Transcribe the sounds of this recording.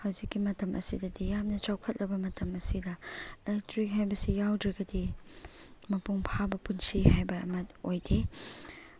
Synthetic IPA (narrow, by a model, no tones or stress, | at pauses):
hawzikːimɐtɐmʔɐ̰sidɐdijamnɐt͡ʃawkʰɐt̚lʔɐbɐmɐtɐmɐsidɐelɛk̚tɾik̚ɦajbɐsijawdɾɐɡɐdi | mɐpuŋpʰabɐpunsihajbɐɐ̰mɐtojde